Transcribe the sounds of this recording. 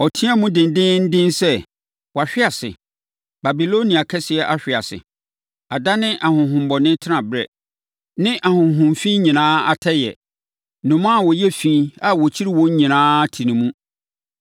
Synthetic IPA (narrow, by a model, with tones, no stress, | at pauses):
ɔ˨tʰĩ˦a˦mũ˦dɪ̃˨n˨dɪ̃˦n̩˦dɪ̃˦nsɛ˦ | wɔ˨a˨ɕᶣɪ˦a˨sɪ̰˨ | ba˨bi˨lo˦nĩ˨a˨kʰɛ˦sɪ˨ɛ˨ʔa˦ɕᶣɪ˨a˨sɪ̰˨ | a˨da˦nɪ̃˦ʔa˨hʊ̃˨ɦʊ̃˨m˦bɔ˨nɪ̃˦tʰɪ˦nã˨bɾɛ̰˨ | nɪ̃˦ʔa˨hʊ̃˨ɦʊ̃˨mfĩ˦ɲĩ˨nãː˦a̰˨tʰɛ˦jɛ̰˨ | nʊ̃˨m̃˦a˦˨wɔ˨jɛ˦fĩ˦a˨wɔ˨t͡ɕʰi˦ɾi˦wɔ̃˦ɲ˦ɲĩ˨nãː˦tʰi˨nĩ˨mũ˦